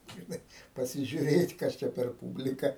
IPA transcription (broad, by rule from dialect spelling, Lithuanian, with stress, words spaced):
ʒʲɪˈnɐɪ pɐsʲɪʒʲʊˈrʲeːtʲ ˈkɐs t͡ʃʲɛ pʲɛr ˈpuːbʲlʲɪkɐ